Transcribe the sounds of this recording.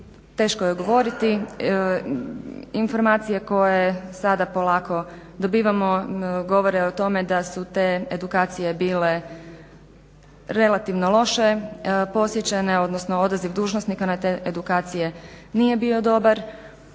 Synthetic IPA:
t̪e̞ːʃkojeɡo̞ʋo̞ɾit̪i | info̞ɾmaːt̪sije̞ko̞jesad̪apo̞lˠaːko̞d̪o̞biːʋamo̞ɡo̞ʋo̞ɾeot̪o̞me̞d̪asut̪e̞ːed̪ukaːt̪sije̞biːle̞ | ɾe̞lˠat̪iʋnolˠo̞ʃe̞po̞sjet͡ɕeneo̞d̪nosno̞o̞d̪aziʋd̪uːʒnosnikanat̪eʔed̪ukaːt̪sije̞nije̞biːo̞d̪o̞baɾ

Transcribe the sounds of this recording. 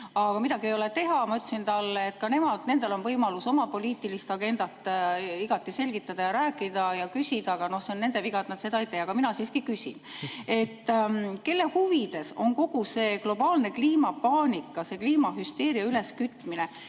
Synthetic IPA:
ɑɡ̥ɑmid̪ɑɡie̞jo̞le̞t̪e̞ɦɑmɑyt̪lsint̪ɑlːet̪ːˑkɑne̞mɑd̪̥ne̞nd̪e̞lo̞nvɤjmɑluso̞mɑpo̞lʲiːt̪ːˑilist̪ɑɡ̥e̞nd̪̥ɑt̪ːˑiɡ̥ɑt̪ˑːise̞lʲɡ̥it̪ːˑɑd̪̥ɑjɑɾæːkːˑid̪̥ɑjɑkysʲid̪̥ɑɑɡ̥ɑno̞hseonːe̞nd̪e̞viɡɑt̪nɑt̪se̞d̪ɑejt̪eːɑɡ̥ɑminɑsiːskikysḭne̞t̪ˑːke̞lːe̞huvid̪̥e̞so̞ŋko̞ɡ̥use̞ːɡ̥lo̞bɑːlne̞kliːmɑpɑːnikːˑɑse̞kliːmɑhyst̪e̞ːɾiɑyle̞skyt̪ːˑmine̞

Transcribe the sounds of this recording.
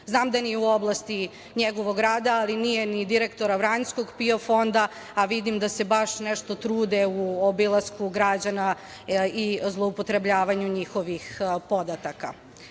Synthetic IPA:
znaːmd̪anijeuo̞blˠast̪i | ɲeɡo̞ʋoɡɾaːd̪aalinije̞nid̪iɾe̞kt̪o̞ɾaʋɾaɲskoɡpio̞fo̞nd̪a | aʋid̪imd̪ase̞baʃneʃt̪o̞t̪ɾuːd̪euobilˠaskuɡɾad͡ʑana | izlˠoupot̪ɾe̞bʎaːʋaɲuɲixo̞ʋixpo̞d̪at̪aka̰

